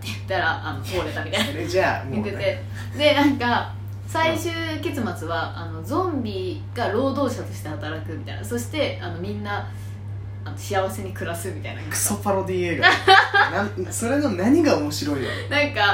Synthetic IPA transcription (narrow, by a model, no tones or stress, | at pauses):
t̪ːe̞jɯ̟t̪ːaɾaʔːno̞t̪o̞ːɾe̞t̪amʲit̪ainaaɡ̪et̪e | d̪e̞nãŋka | saiɕɨːke̞t͡sɨmat͡sɨβaano̞d͡zõ̞mbʲi | ɡ̥aɾo̞ːd̪o̞ːɕat̪o̞ɕi̥t̪e̞hat̪aɾakɯ̟mʲit̪a̰ḭnaso̞ɕi̥t̪e̞ano̞mʲĩnːa | anoɕiaβ̞ase̞ɲ̟ikɯ̟ɾasɨmʲit̪aina̰kakɯ̥sopaɾod̪ieɡnaso̞ɾe̞nonaɲ̟iɡaomo̞ɕiɾo̞ijonãŋka